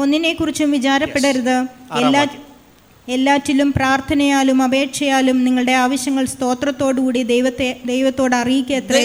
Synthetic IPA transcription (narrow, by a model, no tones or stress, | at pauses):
o̞nːine̞kːurit͡ɕːumʋit͡ɕaːɾɐpːe̞ɽɐɾuðɨelːaː | elːaːtːilumpraːrt̪ʰɐnɐjaːlumɐbe̞ːkʂɐjaːlumniŋːɐɭɨɽe̞aːʋɐɕjɐŋːɐɭst̪o̞ːt̪rɐt̪ːo̞ːɽɨkuːɽid̪ejʋɐt̪ːed̪e̞jʋɐt̪ːo̞ːɽɐrijikʲːeːt̪ːɐe